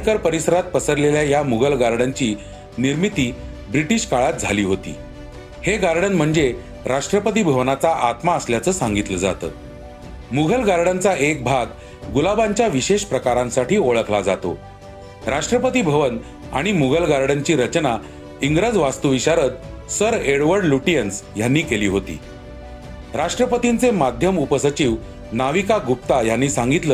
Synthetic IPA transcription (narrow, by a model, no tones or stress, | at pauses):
kəɾpəɾisəɾat̪̚pəsəɾleljajamuɡʱəlɡaɾɽaɲt͡ɕiː | niɾmit̪iːbɾiʈiɕkaɭat̪̚d͡zʱaliːɦot̪ḭː | heɡaɾɖənm̤əɳd͡ze | ɾaʂʈɾəpət̪̬ibʱəʋnat͡saʔat̪maəsljat͡səːsãŋɡit̪ləd͡za̰t̪ə̰ː | muɡʱəlɡaɾɽant͡saʔek̚bʱaɡ | ɡulabaɲt͡ɕjaʋiɕeɕpɾəkaɾãnsaʈiːoɭəkʰlad͡zat̪o̰ | ɾaʂʈɾəpət̪iːbʱəʋən | a̰ɽ̃imuɡʱəlɡaɾɽaɲt͡ɕiːɾət͡ɕna | iŋɡɾəd͡zʋast̪uʋiɕaɾət̪̚səɾeɽʋəɾɖluʈijənsjanːiːkeliːɦot̪ḭː | ɾaʂʈɾəpət̪int͡semad̪ʱjəmupəsət͡ɕiːʋ | naʋikaɡup̚t̪ajanːiːsãŋɡit̪ləː